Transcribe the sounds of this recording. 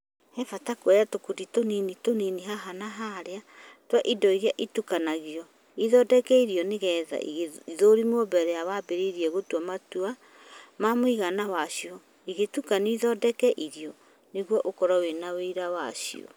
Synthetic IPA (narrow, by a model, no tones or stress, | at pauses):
hɛfatakoɛjatokuditoninitoniniɦaɦanaɦaɾea | twaʔidɔiɣjaʔitukanaɣiɔ | iðɔdɛkɛiɾiɔneɣɛːða̰ḭɣiðoɾimɔbɛɾɛawabeɾeiɾiɛɣotuamatua | mamoiɣanawaɕiɔ | iɣetukaniiðɔdɛkɛʔiɾiɔ | neɣwɔʔokɔɾawenaweiɾawa̰ɕḭɔ̰